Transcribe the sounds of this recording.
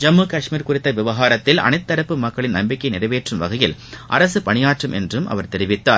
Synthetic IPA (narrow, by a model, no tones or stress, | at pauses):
d͡ʒɐmːukɐʂmiːɾkʊrɪt̪ːɐʋɪʋɐɣaːɾɐt̪ːɪlɐ̰ɳɐɪt̪ːɐɾɐpːɯmɐkːɐɭɪnɐmbɪkːɐɪnɪrɐʋeːʈrɯmʋɐɣɐjɪlʔɐ̰ɾɐsɯpɐɳɪjaːʈrɯmʔɛ̰ndrɯmʔɐ̰ʋɐɾt̪ɛɾɪʋɪt̪ːaːɾ